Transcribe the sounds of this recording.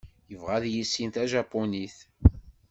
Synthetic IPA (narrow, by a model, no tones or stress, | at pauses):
jəvʁæðjisːint̪æʒæpːoniθ